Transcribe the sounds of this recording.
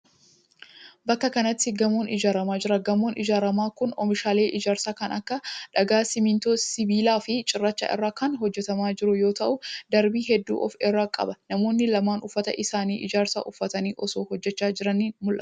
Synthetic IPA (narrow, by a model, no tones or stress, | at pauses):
bɐkːɐkɐnɐt̪ːɪɡɐmoːnʔɪd͡ʒaːɾɐmaːd͡ʒɪɾɐɡɐmoːnɪd͡ʒaːɾɐmaːkʊnɔmɪʃaːle̞ːʔɪd͡ʒaːɾsaːkɐnɐkːɐᶑɐɡaːsɪmɪnt̪oːsɪbiːlaːfɪt͡ʃʼɪrːɐt͡ʃːa̰ʔɪ̰rːaːkɐnɦɔd͡ʒːɛt̪ɐmaːd͡ʒɪɾʊjo̞ːt̪ɐʔʊd̪ɐɾbiːɦɛd̪ːṵːʔɔfɪrːaːkʼɐ̰bɐnɐmoːnːɪlɐmaːnʊfːɐt̪ɐ̰ʔɪsaːniːʔɪd͡ʒaːɾsa̰ːʔʊfːɐt̪ɐniːʔɔsoːhɔd͡ʒːɛt͡ʃːaːd͡ʒɪɾɐniːnmʊlʔɐ̰